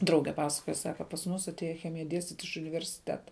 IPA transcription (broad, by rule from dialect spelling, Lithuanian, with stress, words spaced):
ˈdrɐʊɡʲɛ ˈpɑːsɐkoːjɛ ˈsɑːkɐ pɐs ˈmʊs ɐtʲˈeːjɛ ˈxʲæːmʲɪjɛ ˈdʲiɛsʲtʲiːtʲ ɪʃ ʊnʲɪʋʲɛrʲsʲɪˈtʲæːtɐ